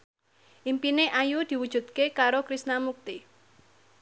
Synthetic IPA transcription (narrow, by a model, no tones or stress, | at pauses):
ʔimpineʔajud̪̥i̤wud̥ʒ̥ṳd̪̚kekaɾokɾisnamuk̚t̪i